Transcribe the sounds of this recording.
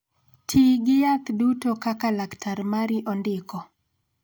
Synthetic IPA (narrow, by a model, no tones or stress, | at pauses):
tʰiɡɪjakdutokakalaktʰaɾmaɾiʔɔndɪkɔ